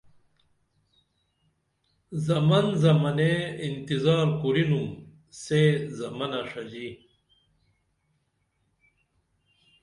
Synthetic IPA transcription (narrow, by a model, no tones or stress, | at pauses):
zɐmɐnzɐmɐneint̪izaːɾkuɾinum | sezɐmɐnɐʂɐd͡ʑi